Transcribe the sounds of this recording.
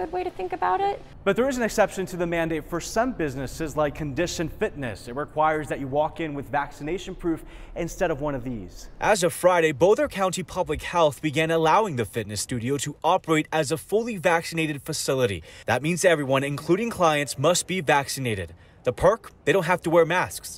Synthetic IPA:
ʊd̚weɪɾɨθɪ̃ŋkɨbaʊɾɪt̚ | b̥ʌt̪̚ðə˞ɨzn̩ɨksɛpʃɨ̃ntʰɨðɨmæ̃ndeɪtfə˞sʌ̃mbɪznɨsɨzlaɪkʰːɨ̃ndɪʃɨ̃nfɪtⁿnɨ̰sɨt̚ɹɨkʰw̥aɪə˞zðɨt͡ʃɨwɔkɪ̃nwɨðvæksɨneɪʃɨ̃n̩pʰɹ̥ʉf | ʔɨ̃nstɛɾʌvwʌ̃nʌvðḭz̥ʔəzɨfɹaɪɾeɪboʊθə˞kʰãʊ̃ntipʰʌblɨkhɛlˠθb̥ɨɡæ̃nəlaʊɪ̃ŋðɨfɪtⁿnɨstʉɾioʊɾəʔɑpə˞eɪɾɨzəfʊlˠivæksɨneɪɾɨd̥fɨsɪlˠəɾḭðət̚mĩnzɛvɹiwʌ̃nɨ̃nkʰl̥uɾɪ̃ŋkʰl̥aɪɨ̃ntsmʌst̚b̥ivæksɨneɪɾɨd̪̚ | ðɨpʰɜ˞kðeɪɾõʊ̃nt̚hæftəwɛɹmæsks

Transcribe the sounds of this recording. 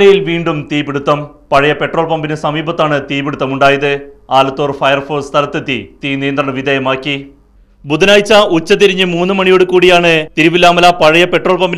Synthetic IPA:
ɐjilʋiːɳɖumt̪iːbeɽut̪ːɐm | pɐɻɐjɐpe̞ʈro̞ːɭpɐmbinesɐmiːbɐt̪ːaːɳɨt̪iːbeɽut̪ːɐmuɳɖaːjɐðɨaːlɐt̪ːoːrfɐjɐrfo̞ːst̪ʰɐlɐt̪ːɨt̪ːḭt̪iːnijɐnd̪ɾrɐɳɐʋid̪ʱɐjɐmaːkʲːi | bud̪ɐnaːjit͡ɕːɐʔut͡ɕːɐt̪̬iɾiɲːɨmuːnːɨmɐɳijo̞ːɽɨkuːɽijaːɳɨt̪iɾiʋilːaːmɐlɐpɐɻɐjɐpe̞ʈro̞ːɭpɐmbi

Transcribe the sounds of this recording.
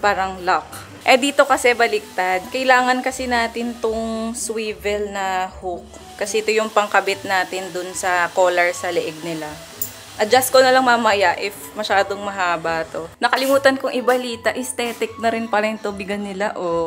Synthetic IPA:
paːɾɐŋlak̚ | ʔɛd̪iːt̪o̞kɐsɛbɐlɪk̚t̪ad̪̚kɐɪlaːŋɐnkɐsɪnaːt̪ɪnt̪ʊŋswiːvɛlnɐhʊk̚ | kɐsɛʔɪt̪ojʊŋpɐŋkɐbɪt̪̚naːt̪ɪnd̪ʊnsɐkoːlɛɹsɐlɛʔɛɡ̚nɪla | ʔɐd͡ʒas̚konɐlɐŋmɐmɐjaʔɪfmɐʃaːd̪oŋmɐɦaːbaːt̪o̞nɐkɐlɪmuːt̪ɐnkoŋʔɪbɐliːt̪ɐʔɪst̪ɛːt̪ɪk̚nɐɾɪnpɐɾɛnt̪obɪɡɐnːɪlaʔo

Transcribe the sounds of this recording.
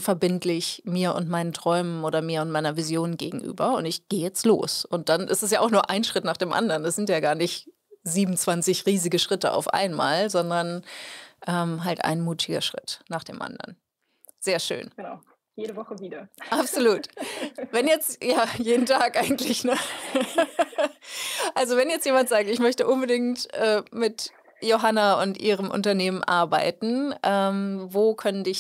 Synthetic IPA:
fɛɐbɪntlɪçmiːɐʔʊ̰ntmaɪnəntʁ̥ɔʏmənʔoːɾɐmiːɐʊntmaɪnɐvizjoːnɡeːɡŋ̩ʔy̰ːbɐʊ̰ntɪçɡ̥eːjɛt͡stlo̰ːsʊnt̚d̥anʔɪ̰stɛsjaːʔaʊxnuːɐʔaɪnʃʁ̥ɪtnaːχd̥eːmʔa̰ndɐʁndasz̥ɪntjaːɡaːɐnɪç | ziːbm̩t͡sv̥ant͡sɪçʁiːzɪɡəʃʁ̥ɪtəa̰ʊfʔa̰ɪnma̰ːlzɔndɐn | ʔɛːmɦaltʔa̰ɪnmuːtʰɪɡɐ̰ʃʁ̥ɪ̰tnaːχd̥ḛːmʔa̰ndɐ̰n | z̥eːɐʃø̰ːnɡ̥naʊ | jeːɾəvɔχəviːdɐʔapz̥oluːtvɛnjɛt͡stjaːjeːdn̩tʰaːkʔaɪɡŋ̩tʰlɪçnə | ʔalzovɛnjɛt͡stjeːmantz̥aːk̚tɪçmœçtəʔʊnbədɪŋtʔɛːmɪt | joɦanaʊntʔiːʁ̞əmʔʊ̰ntɐneːmənʔa̰ɐbaɪtn̩ʔɛːmvoːkʰœnəndɪç

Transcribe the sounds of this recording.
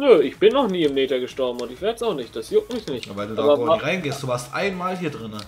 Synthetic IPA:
nøɪçb̥ɪnɔχniːɪmneːtɐɡəʃtɔɐbm̩ʊntɪçvɛɐtəsaʊxnɪçt̚d̥asjʊk̚tmɪçnɪçta̰ːvaɪlduːaːbɐaʁaɪnɡeːstd̥uːvaːɐstʔa̰ɪnmaːlɦiːɐdʁɪnə

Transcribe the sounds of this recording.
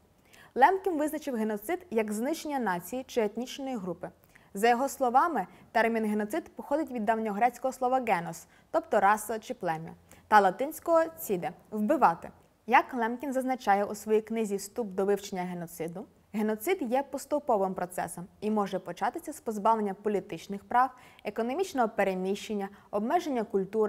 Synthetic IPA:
lˠɛmkʲinʋɪznɐt͡ʃɪwɦenɔt̪sɪd̪jɐɡznɪʃenʲːɐnɑt͡sʲijit͡ʃɪet̪ʲnʲit͡ʃenɔjiɦɾupɪ | zɐjɔɦɔslˠɔʋɑmɪ | t̪ɛrmʲinɦenɔt̪sɪd̪pɔxɔd̪ɪtʲʋʲid̪ːɑwnʲɔɦɾɛt͡sʲkɔɦɔslˠɔʋɐɡɛnɔs | t̪ɔpt̪ɔɾɑsɐt͡ʃɪplˠɛmʲɔ̰t̪ɐlˠɐt̪ɪnʲsʲkɔɦɔt͡sʲid̪ɛwbɪʋɑt̪ɪ̰ | jɐklˠɛmkʲinzɐznɐt͡ʃɑjɛʔusʋɔjiknɪzʲist̪ubd̪ɔʋɪwt͡ʃenʲːɐɦe̞nɔt̪sɪd̪ʊ | ɦenɔt̪sɪd̪jɛpɔst̪ʊpɔʋɪmpɾɔt̪sɛ̰sɔmimɔʒɛpɔt͡ʃɑt̪ɪsʲɐspɔzbɑʋlenʲːɐpɔlʲit̪ɪt͡ʃnɪxpɾɑwekɔnɔmʲit͡ʃnɔɦɔpeɾenʲiʃt͡ʃenʲːɐɔbmɛʒenʲːɐkʊlʲt̪uɾɪ

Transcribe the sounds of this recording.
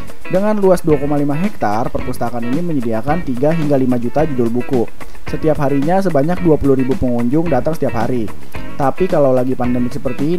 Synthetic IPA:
dəŋanluasduakomalimaɦɛk̚t̪arpərpust̪akaniniməɲədiakant̪iɡaɦiŋɡalimad͡ʒut̪ad͡ʒudʊlbuku | sət̪iapɦaɾiɲas̬əbaɲak̚duapuluhɾibupəŋuɲd͡ʒʊŋdat̪aŋsət̪iapɦaɾi | t̪apikalawlaɡipandɛmɪk̚səpərt̪i

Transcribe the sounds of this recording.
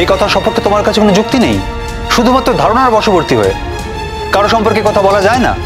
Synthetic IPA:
ejkɔt̪ʰaʃɔmpoɾkʰet̪omaɾkat͡ɕʰekonod͡ʑuk̚t̪inej | ʃud̪ʱumat̪ːɾod̪ʱaɾonaɾbɔʃoboɾt̪iɦo̰ḛ | kaɾoʃɔmpoɾkekɔt̪ʰabɔlad͡ʑaena̰

